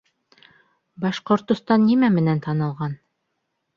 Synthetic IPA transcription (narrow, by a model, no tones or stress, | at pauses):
bɑʃqŏɾt̪ŏst̪ɑnːimæmɘ̆nænt̪ɑnɤ̆lˠʁɑn